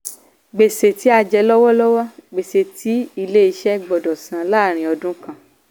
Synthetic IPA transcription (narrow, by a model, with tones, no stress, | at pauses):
ɡ͡be˨se˨ti˨˦a˧d͡ʒɛ˧˦lɔ˦wɔ˦lɔ˦wɔ˦ɡ͡be˨se˨tʰi˨˦i˧le˦i˧ʃɛ˦ɡ͡bɔ˨dɔ˨sã˨˦laː˦˨ɾ̃ĩ˨˧ɔ˧dũ˦kã˦˨